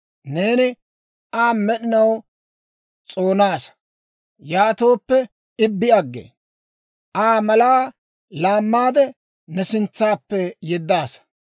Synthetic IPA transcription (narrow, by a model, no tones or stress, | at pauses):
ne̞ːnɪ | aːnmɛɗɪnɐw | t͡sʼoːnaːsɐ̥ | jaːt̪o̞ːpːɛ | ɪbːɪɐɡːḛː | ʔaːmɐlaː | laːmːaːd̪ɛ | nɛsɪnt͡sːaːpːɛjɛd̪ːaːsɐ̥